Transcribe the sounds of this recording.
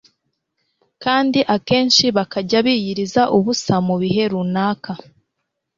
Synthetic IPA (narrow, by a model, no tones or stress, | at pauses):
kaːndiʔake̞ːnʃiβakaɟaβiːjiɾizaʔuβusamuβiɦe̞ɾunaːka